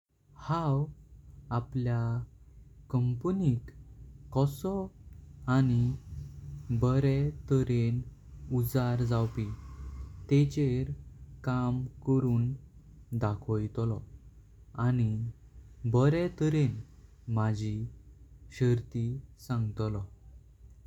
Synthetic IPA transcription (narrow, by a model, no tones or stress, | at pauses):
haw | aplja | kəmpnit̪kɔsɔ | ani | bəɾɛt̪əɾen | ud͡zaɾd͡zawpi | t̪et͡ɕeɾkamkəɾuːn | d̪akʰɔjt̪lɔ | añi | bəɾɛt̪əɾen | mad͡ʑʱi | ɕəɾt̪isãŋɡt̪lɔ